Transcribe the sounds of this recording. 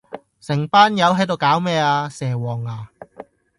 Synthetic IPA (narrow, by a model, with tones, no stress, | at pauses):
sɪ˨˩ŋpaː˥njɐ˨˧wɦɐ˨˥jt̪o˨˧wkaː˨˥wmɛː˥˧aː˧sɛː˨˩wɔː˨˩ŋaː˨˧